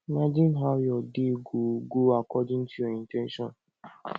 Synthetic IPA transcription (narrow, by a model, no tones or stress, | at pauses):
imad͡ʒĩnɦaʊjɔdiɡuɡoakɔdɪn̩tiɔintɛnʃɔn